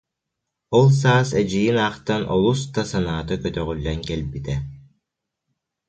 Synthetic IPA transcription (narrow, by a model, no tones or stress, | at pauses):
ɔlˠs̬aːsɛd͡ʑijinaːqt̪anʔɔ̰lˠust̪asanaːt̪ɯkœt̪œʁylːɛŋkɛlbit̪ɛ